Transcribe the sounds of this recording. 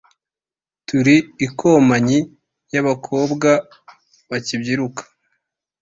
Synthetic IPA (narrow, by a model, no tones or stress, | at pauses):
tuɾiːkʰomaɲi | jaβakʰo̞ːbɡa | βacibɟiɾukʰḁ